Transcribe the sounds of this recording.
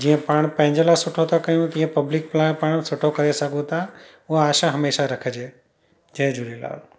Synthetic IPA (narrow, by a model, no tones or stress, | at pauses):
d͡ʑiːə̃paːɽ̃pɐ̃ɦɪ̃ɲd͡ʑəlasʊʈʰot̪ʰakɐjũt̪ĩːə̃pɐblɪk̚plaːpaːɽ̃sʊʈʰokɐɾesɐɡʱũt̪ʰa | ʊɦaaːʃãɦɐmeːʃaɾɐkʰəd͡ʒeː | d͡ʒɐ̃ːd͡ʒuɾila̰ːl